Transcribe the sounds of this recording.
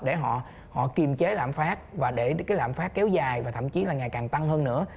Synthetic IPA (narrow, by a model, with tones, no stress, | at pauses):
ɗe˧˩ɦɔ̰˧˨ | hɔ̰˧˨t̪i˨˩mt͡ɕe˨˦la̰ː˧˨mfaː˦˥t̚vaː˨˩ɗe˧˩kaː˨˦jla̰ː˧˨mfaː˦˥t̚kɛ˨˦wzaː˨˩jvaː˨˩t̪ʰə̰˧˩˨mt͡ɕi˨˦laː˨˩ŋa˨˩jkaː˨˩ŋt̪a˧ŋhəː˧nnɨ̰˧˥ə